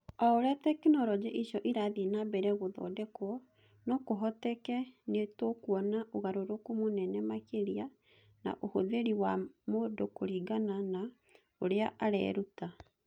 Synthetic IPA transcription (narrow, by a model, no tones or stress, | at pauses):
aoɾɛtɛkenɔɾɔd͡ʑɛʔiʃɔʔiɾaðenabɛɾɛɣoðɔ̰dɛkwɔ | nɔkoɦɔtɛkɛnetokuɔnaʔoɣaɾoɾokomonɛnɛmakeɾia | na̰ʔohoðeɾiwamodokoɾiɡanana | oɾeaʔaɾɛ̰ːɾuta